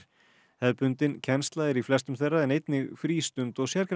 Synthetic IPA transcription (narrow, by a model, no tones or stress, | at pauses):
hɛðpʏnt̪ɪncʰɛnst̪laðɪɾiflɛst̪ʏmθejrːaðɛnejt̪nɪɣfɾiːst̪ʏnt̪ɔɣsjɛɾkɾ